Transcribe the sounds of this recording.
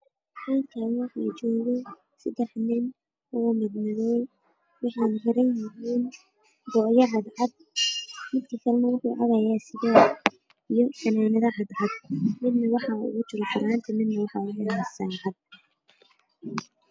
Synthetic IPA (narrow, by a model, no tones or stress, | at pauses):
ħaːŋkʰawɑħɑːt͡ʃɔːɣɛ | sɐd̪ɛħnɪn | ɔːmɪd̪nɪɣɛj | wɑħɑːnhɛɾɐnjɪɦiːn | ɡɔʕjɐɦɑd̪ʕɑd̪̚ | mɪd̪kʰɐkʰɐlɛnɐwʊħuːʕɑðɐjaːsɪðaː | ijɔsʰɐnaːnɐðɐhɑd̪ʕɑd̪̚mɪd̪nɐwɑħɑʊ̰ɣʊt͡ʃʊlfʰɪɾaːnt̪ʰɪmɪd̪nɐwɑħɑʊɣɛasaːʕɑd̪̚